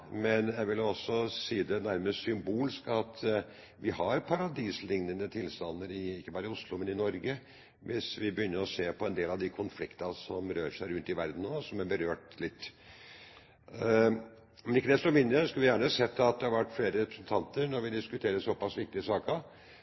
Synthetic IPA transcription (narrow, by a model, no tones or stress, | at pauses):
mɛnjæɪʋɪlːɔsːɔsiːd̪ɛnæɾməsʏmbuːlɪskɑt̪ | ʋʔɪhɑɾpʰɑɾɑd̪iːslɪŋnənət̪ʰɪlst̪ɑnːəɾɪɪkːəbɑːɾəʊslʊmɛnɪnɔɾɡə | ʋɪsʋɪbəjʏnːəɾɔseːpʰɔɛnd̪eːlɑʋd̪ɪkʰʊnflɪkt̪ɑsɔmɾøːɾʂæɪɾʉnt̪ɪʋæɾd̪n̩noːsɔmæɾbəɾøːʈlɪt̪ː | mɛnɪkːəd̪ɛst̪ɔmɪnd̪ɾəskʉlʋɪjæːɳəsɛt̪ʰːɑt̪̚d̪ɛhɑɾʋæʈːfleːɾəɾɛpɾə̥sən̩t̪ʰɑnt̪əɾnɔɾʋɪd̪ɪskʉt̪ʰeːɾəsɔpɑsʋɪk̚t̪ɪəsɑːkəɾ